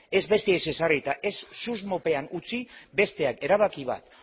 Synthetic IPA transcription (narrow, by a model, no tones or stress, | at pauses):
e̞zβe̞st̪eese̞sarit̪aʔe̞sːuzmo̞pe̞anut͡sibe̞st̪e̞ake̞ɾaβ̞akiβ̞a̰t̪